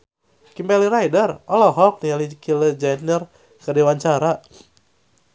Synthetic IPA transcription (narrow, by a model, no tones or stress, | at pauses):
kimbɛliɾajdərɔlɔɦɔk̚nialikʰiləd͡ʒanər | kərdiwaɲt͡ʃaɾa